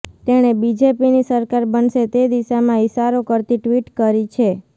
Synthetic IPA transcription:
t̪eɽ̃ebid͡ʒepinisəɾkaɾbənʃet̪ed̪iʃamãɪʃaɾokəɾt̪iʈʋiʈkəɾit͡ʃʰe

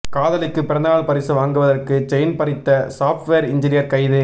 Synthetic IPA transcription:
kaːðɐlɪkːɯpːɪɾɐnd̪aːɭpɐɾɪsɯʋaːŋɡɯʋɐðɐrkɯt͡ʃɛjnpɐɾɪt̪ːɐsaːfʈʋeːɾɪɲd͡ʒɪnɪjɐɾkɐɪðɯ

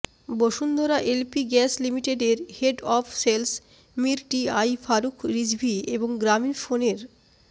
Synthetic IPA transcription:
boʃund̪oɾaʔelpiɡɛslimiʈeɖeɾheɖɔfʰsels | miɾʈiajfaɾukʰɾid͡ʑbʱieboŋɡɾaminfoneɾ

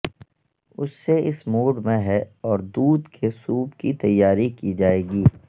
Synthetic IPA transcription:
ʊsːeʔɪsmoːɖmẽɦɛɔːɾd̪uːd̪kʰesuːbkit̪ɐjːaːɾikid͡ʒaːeːɡiː

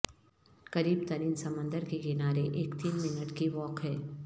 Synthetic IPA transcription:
kɐɾiːbt̪ɐɾiːnsɐmə̃nd̪əɾkekɪnaːɾeʔeːkt̪iːnmɪnəʈkiʋɔːkɦɛː

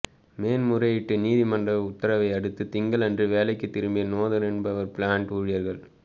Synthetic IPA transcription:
meːnmʊrɐjɪʈːɯniːðimɐndrɐʋʊt̪ːɐɾɐʋɐɪɐɽɯt̪ːɯt̪ɪŋɡɐɭɐndrɯʋeːlɐɪkːɯt̪ːɪɾɯmbijɐnoːðɐlɛnbɐʋɐɾpɪɭaːɳʈuːɻɪjɐɾɣɐɭ

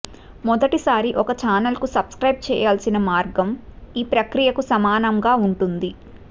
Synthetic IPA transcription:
mɔd̪ɐʈisaːɾiʔɔkɐt͡ʃaːnɐlkusɐbskɾɐjb̚t͡ʃɛ̰ːjaːlsinɐmaːɾɡɐmiːpɾɐkɾijɐkusɐmaːnɐŋɡaːuɳʈund̪i

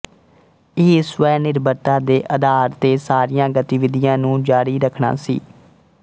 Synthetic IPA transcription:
ɪɦisʋɛːnɪɾbət̪ãːd̪eːʔəd̪ʱaːɾt̪eːsaːɾijãːɡət̪iːʋɪd̪ɪjãːnũːd͡ʒaːɽiːɾəkʰɳa̰ːsḭː

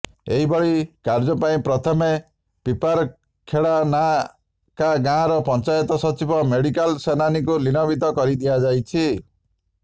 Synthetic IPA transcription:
eɦibɔɭikaɾd͡ʒɔpaĩpɾɔt̪ʰɔme | pipaɾ | kʰːeɭana | kaɡãɾɔpɔnt͡ʃajɔt̪ɔsɔt͡ʃibɔmeɽikalsenanikulinɔbit̪ɔkɔɾid̪iad͡ʒajt͡ʃʰi

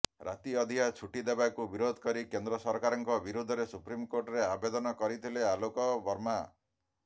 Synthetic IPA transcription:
ɾʔa̰t̪iɔd̪ʱiat͡ʃʰuʈid̪ebakubiɾod̪ʱɔ̥kɔɾikend̪ɾɔsɔɾkaɾɔŋkɔbiɾud̪ʱɔɾesupɾimkoɾʈɔɾeabed̪ɔnɔkɔɾit̪ʰilealokɔbɔɾma

